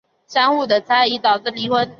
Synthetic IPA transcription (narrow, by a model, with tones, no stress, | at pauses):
ʂa˥ŋxu˥˩d̪ə˨˩t͡sʰa˥ɪi˧˥t̪ɑ˨˩ʊʈ͡ʂɻ̩˥˩li˧˥xwə˧˥n